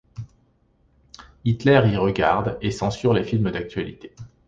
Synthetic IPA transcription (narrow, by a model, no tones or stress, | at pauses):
it̪lɛʁiʁəɡaʁd̪esɑ̃syʁlefilməd̪ak̚t̪ɥalḭt̪e̥